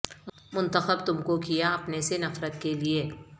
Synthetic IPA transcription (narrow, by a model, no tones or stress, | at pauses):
mʊ̃nt̪əxəbt̪ʊmkokijaɐpnesenɐfɾət̪kelie